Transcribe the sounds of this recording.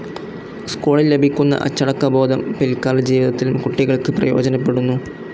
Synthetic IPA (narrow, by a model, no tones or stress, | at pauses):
skuːɭilːe̞bʱikʲːunːɐ̰ʔɐ̰t͡ɕːɐɽɐkːɐbo̞ːd̪ʱɐmpelkaːlɐd͡ʑiːʋid̪ɐt̪ːilumkuʈːiɣɐɭkɨprɐ̰jo̞ːd͡ʑɐnɐpːe̞ɽunːu